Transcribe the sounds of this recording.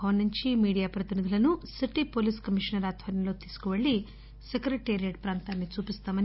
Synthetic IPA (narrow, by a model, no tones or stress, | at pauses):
ɐɐnːuɲt͡ʃimiːɽijaːpɾɐt̪inid̪ʱulɐnusiʈːipoːliːskɐmiʂɐnɐɾaːt̪ʰʋɐɾjɐmlo̞ːt̪iːsu̥kuʋɐɭːi | sekɾeʈːeːɾijɐʈ̚pɾaːnt̪aːnːit͡ʃuːpist̪aːmɐn